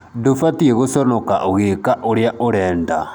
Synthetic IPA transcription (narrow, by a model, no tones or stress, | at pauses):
dofatieɣosɔnoka̰ʔoɣekaʔoɾeaʔoɾɛːnda̰